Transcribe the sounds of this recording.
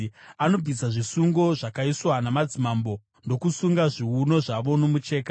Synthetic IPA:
ano̞b͡visaʐisuŋɡo̞ʐakaiswanamad͡zimambo̞ | ndo̞kusuŋɡaʐiuno̞ʐaʋo̞no̞mut͡ʃe̞ːka

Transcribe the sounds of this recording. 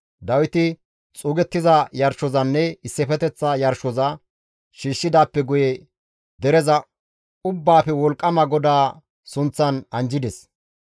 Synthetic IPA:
d̪ɐwɪt̪ɪ | t͡sʼuːɡɛt̪ːɪzɐjɐɾʃɔzɐnːɛɪsːɛfɛt̪ɛt͡sːɐjɐɾʃɔzɐ | ʃiːʃːɪd̪aːpːɛɡʊjɛ | d̪ɛɾɛzɐ | ʊbːaːfɛwɔlkʼːɐmɐɡɔd̪aː | sʊnt͡sːɐnɐnd͡ʒɪd̪ɛs

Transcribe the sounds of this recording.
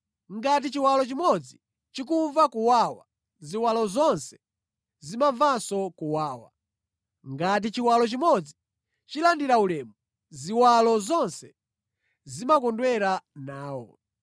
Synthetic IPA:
ŋɡat̬it͡ʃiwalɔt͡ʃimɔd͡zi | t͡ʃik̬uɱvakuwaːwa̰ | ziwalɔzɔnsɛ̥ | zimaɱvasɔkuwaːwa̰ | ŋɡat̬it͡ʃiwalɔt͡ʃimɔd͡zi | t͡ʃilandiɾaulɛːmu | ziwalɔzɔnsɛ̥ | zimakɔndwɛɾanaːwɔ̰

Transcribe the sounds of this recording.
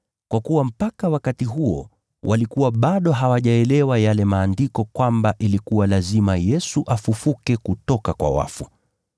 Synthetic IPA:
kwakuwam̩pakawakatiɦuɔ̰ | wʔalikuwaɓaɗɔɦawaʄaɛlɛwajalɛmaːndikɔkwambaʔilikuwalazimajɛsuʔafufukɛkutɔkakwa̰wa̰fu

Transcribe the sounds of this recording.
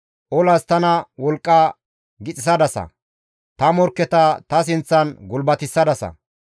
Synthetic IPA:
ʔɔlɐst̪ɐnɐwɔlkʼːɐ | ɡɪt͡sʼɪsɐd̪ɐsɐ̰ | t̪ɐmɔɾkːɛt̪ɐt̪ɐs̬ɪnt͡sːɐnɡʊlbɐt̪ɪsːɐd̪ɐsɐ̰

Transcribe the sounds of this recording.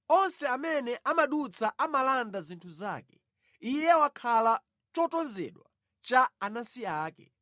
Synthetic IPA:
ɔnsɛamɛnɛʔamaɗut͡sʰaʔamalandazintʰuza̰ːkɛ̥ | ijɛwakʰala | t͡ʃɔtɔnzɛ̰ɗwa | t͡ʃaanasiaːkɛ̰

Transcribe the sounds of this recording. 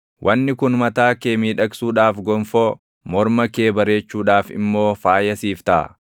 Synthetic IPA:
wʔɐnːɪkʊnmɐt̪aːkeːmiːᶑɐksuːᶑaːfɡɔɱfoː | mɔɾmɐkeːbɐɾe̞ːt͡ʃːuːᶑaːfɪ̰mːo̞ːfaːjɐsiːft̪ɐʔɐ̰

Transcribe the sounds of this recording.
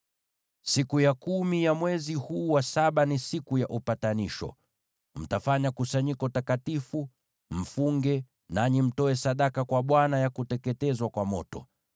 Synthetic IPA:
sikujakumijamwɛzihuːwasaɓanisikujaʔupataniʃɔ̰ | m̩tafaɲakusaɲikɔtakatifu | m̩fuŋɡɛ | naɲim̩tɔɛsaɗakakwaɓwanajakutɛkɛtɛzwakwamɔtɔ

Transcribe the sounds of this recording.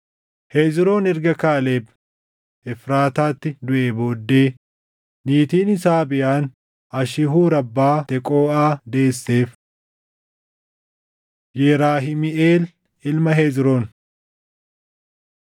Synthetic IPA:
heːzɾo̞ːnɛɾɡɐkaːleːb | ɛfɾaːt̪aːt̪ːɪd̪ʊʔeːbo̞ːd̪ːeː | niːt̪iːnɪsaːbɪʔaːn | ɐʃɪɦuːɾɐbːaːt̪ɛkʼo̞ːaːd̪e̞ːsːe̞ːf | jɛːɾaːɦɪmɪʔeːl | ɪlmɐɦeːzɾoːn

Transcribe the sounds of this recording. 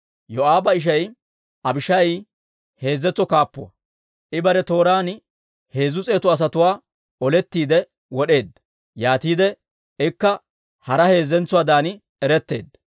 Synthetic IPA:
jɔaːbɐɪʃ̬ɐj | ʔɐbɪʃɐj | he̞ːzːɛt͡sːɔkaːpːʊwɐ̰ | ʔɪbɐɾɛt̪o̞ːɾaːn | he̞ːzːʊt͡sʼe̞ːt̪ʊɐs̬ɐt̪ʊwaː | ɔlɛt̪ːiːd̪ɛ | wɔɗe̞ːd̪ːɐ̥ | jaːt̪iːd̪ɛ | ɪkːɐ | hɐɾɐhe̞ːzːɛnt͡sːʊwaːd̪aːnɪ | ɛɾɛt̪ːe̞̰ːd̪ːɐ̥

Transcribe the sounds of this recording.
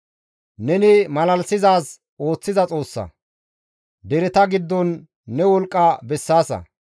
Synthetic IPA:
nɛnɪmɐlɐlsɪzaːs | o̞ːt͡sːɪzɐt͡sʼo̞ːsːɐ̰ | d̪ɛɾɛt̪ɐɡɪd̪ːɔnː | ɛwɔlkʼːɐbɛsːaːsɐ̰

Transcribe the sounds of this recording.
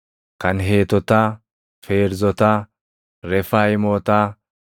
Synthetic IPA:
kɐnɦeːt̪ɔt̪ɐ | feːɾzɔt̪ɐ | ɾɛfajɪmɔːt̪ɐ

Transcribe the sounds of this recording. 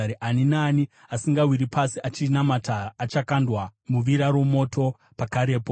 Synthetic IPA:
ɾiʔaninaːni | asiŋɡawiɾipasiʔat͡ʃinamataːt͡ʃakandwamuʋiɾaɾo̞mo̞tʰo̞ | pakaɾe̞ːpo

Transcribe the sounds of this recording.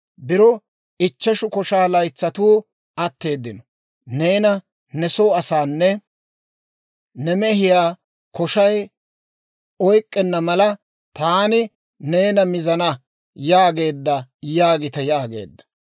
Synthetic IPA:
bɪɾɔ | ɪt͡ʃːɐʃʊkɔʃaːlɐjt͡sːɐt̪uː | ɐt̪ːe̞ːd̪ːɪnɔ | neːnɐ | nɛsoːɐsaːnːɛ | nɛmɛhɪjaː | kɔʃɐj | ɔjkʼːɛnːɐmɐlɐ | t̪aːnɪ | ne̞ːnɐmɪzɐnɐ | jaːɡe̞ːd̪ːɐjaːɡɪt̪ɐjaːɡe̞̰ːd̪ːɐ̥

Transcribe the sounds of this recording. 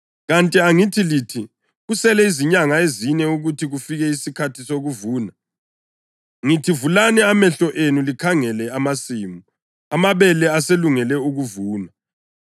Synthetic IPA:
ɣantʼiaŋitʰilitʰi | ɣusɛlɛiziɲaŋaezinɛuɣutʰiɣufiɣɛisikʰatʰisoɣuvuːna | ŋitʰivulanɛamɛɬɔʔenulikʰaŋɛlɛamasiːmu | amaβɛlɛaseluŋɛlɛuɣuvuːna

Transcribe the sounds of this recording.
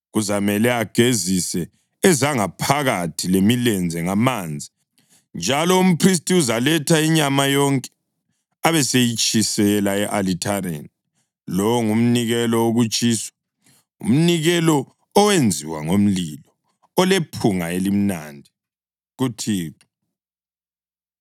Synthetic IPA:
ɣuzamɛlɛaɡ̥ʱezisɛː | zaŋapʰaɣatʰilemilɛnd͡zʱɛŋamaːnd͡zʱi | nd͡ʒʱalɔum̩pʰris̬tiuzalɛtʰaiɲamajɔŋkʼɛ̥ | aβɛsejit͡ʃʼisɛlaɛʔalitʰaɾḛni | lɔwŋum̩niɣɛlɔoɣut͡ʃʼiːswḁ | ṵm̩niɣɛlɔː | wend͡zʱḭwa̰ŋom̩lilɔ | ɔlepʰuŋa̰elim̩na̰ndʱi | ɣutʰiːka

